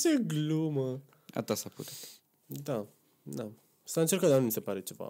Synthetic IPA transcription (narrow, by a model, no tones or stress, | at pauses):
t͡ʃeɡlumə | a̰t̪asaput̪e | d̪a | na | saɨnt͡ʃeɾkad̪anmisepaɾet͡ʃeva̰